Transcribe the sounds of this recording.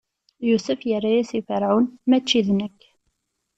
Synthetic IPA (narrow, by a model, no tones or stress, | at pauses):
jusəfjərːajæsifəɾʕunmæt͡ʃːiðnəkː